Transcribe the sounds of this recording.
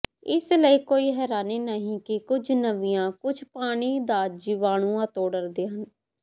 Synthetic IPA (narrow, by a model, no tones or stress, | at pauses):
ɪsləiːkoːiːɦɛːɾaːneːnəɦĩːkɪkʊd͡ʒnəʋɪjãːkʊd͡ʒʰpaːɽ̃iːd̪aːd͡ʒɪʋaːɽ̃uːãːt̪oːɖəɾd̪eːɦən